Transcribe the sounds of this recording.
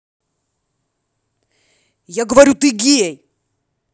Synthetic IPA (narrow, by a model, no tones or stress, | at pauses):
jaɡəvɐɾʲut̪ɨɡʲijɛj